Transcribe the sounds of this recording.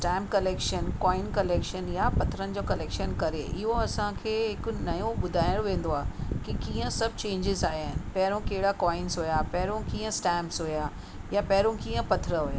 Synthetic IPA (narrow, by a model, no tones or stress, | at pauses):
sʈɛ̃ːmkɐleːkʃənkɔːɪnkɐleːkʃənjapɐt̪ʰɾənɪ̆d͡ʑoːkɐleːkʃənkɐɾeʔɪɦoɐsãkʰeːɦɪkʊ̆nɐjõɓʊd̪ʱaːɪɽoʋẽːnd̪oaːɦekikiːə̃sɐbʱt͡ɕẽːɲd͡ʑɪzaːɦiaːɦɪnɪ̆pɐɦɪɾõkɐɦɪɽakɔːɪ̃nsɦujapɐɦɪɾõkiːə̃sʈɛ̃ːmsɦuja | japɐɦɪɾõkiːə̃pɐt̪ʰɾəɦujaː